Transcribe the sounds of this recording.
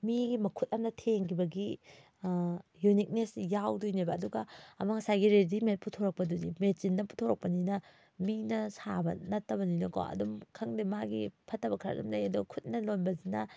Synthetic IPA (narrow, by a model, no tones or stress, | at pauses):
miɡimɐkʰut̚ɐmnɐtʰeŋkʰibɐɡi | junik̚nesjawdujnajbɐːduɡɐɐmɐŋsajɡiɾedimet̚pʰutʰoɾɐk̚pɐdunimet͡ʃindɐpʰu̥tʰoɾɐk̚pɐninɐ | minɐsabɐ̰nɐtːɐbɐninoka̰wɐ̰dumkʰɐŋdimaɡḭpʰɐtːɐbɐkʰɾa̰dumzajɐduɡkʰut̚nɐlonbɐzinɐ